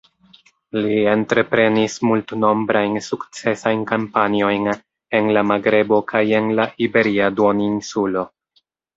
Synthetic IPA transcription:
lie̞ntɾe̞pɾe̞nismultno̞mbɾajnsukt͡se̞sajnkampanio̞jn | e̞nlamaɡɾe̞bo̞kʰaje̞nlaʔibe̞ɾiadoninsulo̞

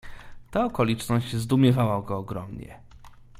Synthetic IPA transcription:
t̪aɔkɔlʲit͡ʂnɔɕd͡ʑzd̪umʲjɛvawaɡɔːɡɾɔmɲɛ̰

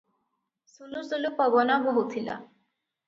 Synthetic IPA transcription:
sulusulupɔbɔnabɔɦut̪ʰila̰

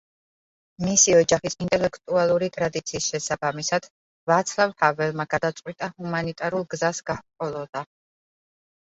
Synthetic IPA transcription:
misiɔd͡ʒaχisint̪ʼɛlɛkʰt̪ʼualˠuɾit̪ʼɾad̪it̪sʰiːsʃɛsabamisad̪̥ | vat̪sʰlˠavhavɛlˠmaɡad̪at̪sʼqʼwit̪ʼahumanit̪ʼaɾulˠɡzasɡ̥apqʼɔlˠɔd̪a

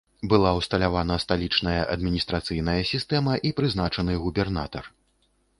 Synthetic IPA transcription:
bɨlˠawst̪ɐlʲavanɐst̪alʲit͡ʂnɐjɐʔɐd̪mʲinʲist̪ɾat̪sɨjn̪ɐjɐsʲist̪ɛmɐʔipɾɨznat͡ʂɐnɨɣubʲɛrnat̪ɐr

